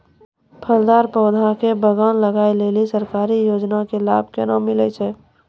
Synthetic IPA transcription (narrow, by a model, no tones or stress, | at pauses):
pʰəld̪aːɾpəʊd̪ʱakebəɡənləɡaːeleːlisəɾkaːɾijoːd͡ʒnakela̰ːb̚ʱkenamɪlət͡ʃʰɛː